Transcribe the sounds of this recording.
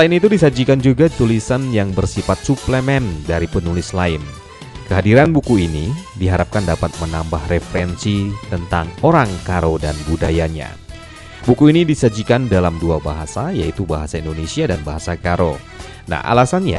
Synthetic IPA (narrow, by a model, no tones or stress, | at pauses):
səlaɪnit̪udisad͡ʒikand͡ʒuɡat̪ulisanjaŋbərsifat̪̚supləmɛndaɾipənulɪslaɪn | kəɦadiɾanbukuinidiɦaɾap̚kandapat̪̚mənambahrefəɾɛnsit̪ənt̪aŋoɾaŋkaɾodanbudajaɲa̰ | bukuinidisad͡ʒikandalamduabaɦasajait̪ubaɦasaindonesiadanbaɦasakaɾo | na̰hʔa̰lasanja̰